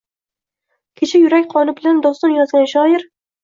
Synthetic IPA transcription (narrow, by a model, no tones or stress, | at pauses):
kʲʰet͡ʃʰajʊɾakʲqʰɒnɪbɪland̪ɒst̪ɒnjɒzɡʲanʃɒɪɾ